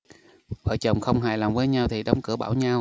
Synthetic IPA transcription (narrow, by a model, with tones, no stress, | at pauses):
və̰ː˧˨jt͡ɕə˨˩wŋ͡mxə˧wŋ͡mɦaː˧˩jlaː˨˩mvəː˨˦jɲa˧wt̪ʰi˨˩ɗə˨˦wŋ͡mkɨ˧˩əɓaː˧˩wɲa˧w